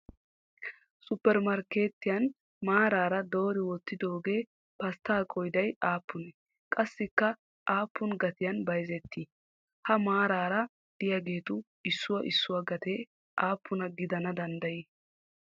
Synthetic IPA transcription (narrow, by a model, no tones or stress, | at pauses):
sʊpːɛɾmɐɾke̞ːt̪ːɪjɐn | maːɾaːɾɐd̪o̞ːɾɪwɔt̪ːɪd̪oːɡe̞ː | pɐst̪aːkʼɔjd̪ɐjaːpʰːʊnɛ | kʼɐsːɪkːɐ | ʔaːpːʊnɡɐt̪ɪjɐnbɐjzɛt̪ʰːi | hɐmaːɾaːɾɐ | d̪̥ɪjaɡe̞ːt̪ʊ | ɪsːʊwɐʔɪsːʊwɐɡɐt̪e | ʔaːpːʊnɐɡɪd̪ɐnɐd̪ɐnd̪ɐjiː